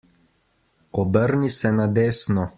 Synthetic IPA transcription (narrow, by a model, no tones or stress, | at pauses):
ɔbəɾnisɛnad̪eːsnɔ